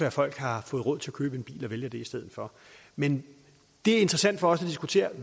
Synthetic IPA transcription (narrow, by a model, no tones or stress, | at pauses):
ɒæfɒ̽l̰ɡ̥hɑ̈fɔ̽ːð̩ˠʁɔ̽ð̰ˠt͡sʰe̝ækʰøːb̥əe̝nb̥ḭːlɒ̽ʋeljəd̥e̝isd̥eð̰ˠð̩ˠfɒ̽ | men | d̥e̝æɐe̝nd̥ʁɐsæn̰d̥fɒ̽ɒ̽sæd̥isɡ̥ut͡sʰe̝̰ːɐ